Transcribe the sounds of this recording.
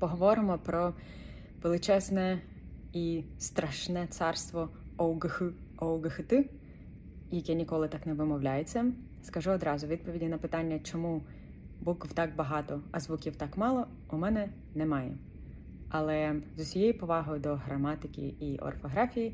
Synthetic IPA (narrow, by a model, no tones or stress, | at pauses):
pɔɦɔʋɔɾɪmɔpɾɔ | ʋelˠɪt͡ʃɛznɛ | ist̪ɾɐʃnɛt̪sɑrst̪ʋɔɔwɡɪxʊɔwɡɪxɪt̪ɪ | jɐkɛnʲikɔlˠɪt̪ɑknɛʋɪmɔwlʲajet͡sʲːɐ | skɐʒuɔd̪ɾɑzʊʋʲid̪̚pɔʋʲidʲinɐpɪt̪ɑnʲːɐt͡ʃɔmu | bukwt̪ɑk̚bɐɦɑt̪ɔɐzʋukʲiwt̪ɑkmɑlˠɔ | umɛnɛ | nɛmɑjɛ̰ | ɐlˠɛzʊsʲɔjejipɔʋɑɦɔjʊd̪ɔɦɾɐmɑt̪ɪkʲḭiʔɔ̰rfɔɦɾɑfʲiji